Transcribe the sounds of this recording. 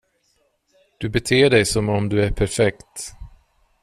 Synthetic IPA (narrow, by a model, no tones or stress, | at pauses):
d̪̥ɵbɛt̪ʰeːɖɛjsɔmɔmd̪ɵæɾpʰæɾfɛkt̪